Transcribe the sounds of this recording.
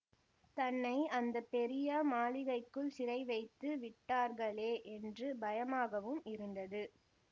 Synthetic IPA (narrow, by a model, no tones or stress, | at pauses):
t̪ɐnːɐɪɐnd̪ɐpːɛɾɪjɐmaːɭɪɣɐɪkːɯɭsɪɾɐɪʋɐɪt̪ːɯʋɪʈːaːɾɣɐɭeːʔɛndrɯbɐjɐmaːɣɐʋɯmɪɾɯnd̪ɐðɯ